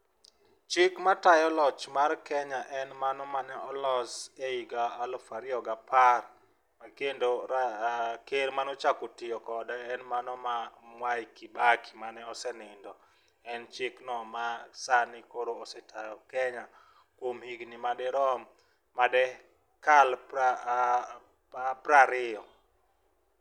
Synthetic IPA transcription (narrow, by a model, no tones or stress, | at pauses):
t͡ʃɪkmatajɔlɔt͡ʃmarkɛɲaʔɛnmanɔmanɛɔlɔseiɡaːlɔfaɾɪɔɡapar | makendoɾakeɾmanɔt͡ʃakotɪjɔkɔdɛɛnmanɔmamwajkibaki̥manɛɔsɛnɪndɔ | ɛnt͡ʃɪknɔmasanɪkoɾoɔsɛtʰajɔkɛɲa | kwomhiɡnɪmadɛɾɔmː | adɛ | kalpa | pɾaɾɪɔ